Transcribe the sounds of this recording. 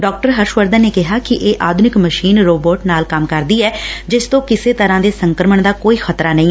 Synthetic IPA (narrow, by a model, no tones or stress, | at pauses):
ɖɔːk̚ʈəɾɦəɾʃʋəɾd̪ənneːkɪɦaːkɪʔeːʔaːd̪ʱʊnɪkməʃiːnɾoːboːʈnaːlkəmkəɾd̪iːɛːd͡ʒɪst̪õːkɪseːt̪əɾãːd̪eːsəŋkəɾəməɳd̪aːkoːiːxʰət̪ɾaːnəĩːɛ